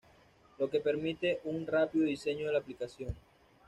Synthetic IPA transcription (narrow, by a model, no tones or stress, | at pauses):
lo̞kepe̞ɾmit̪e̞ʔuŋrapiðoðise̞ɲoðelaplikasjoŋ